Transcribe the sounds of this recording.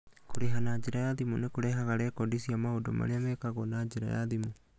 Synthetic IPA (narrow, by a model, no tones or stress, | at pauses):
kʰuɽiɦanad͡ʒiɾajad̪imunɛkuɽɛɦaɣaɽɛkɔɖisiamaudɔma̰liamɛkaɣɔnad͡ʒiɾa̰ja̰d̪imu